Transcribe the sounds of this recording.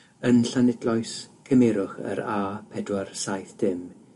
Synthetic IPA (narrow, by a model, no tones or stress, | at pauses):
ənɬanɪdlˠɔjskʰəmeɾʊχə̰ɾaːpʰɛdwarsajθd̥ɪm